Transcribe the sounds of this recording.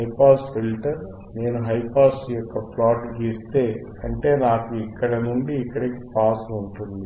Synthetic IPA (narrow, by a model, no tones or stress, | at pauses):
ɐjpaːsfilʈɐɾ | ne̞ːnuɦɐjpaːsjɔkːɐpʰlaːʈɡist̪e̞ː | ɐɳʈe̞ːnaːkuikːɐɽɐnuɳɖiːkːɐɽɐki̥paːsuɳʈund̪i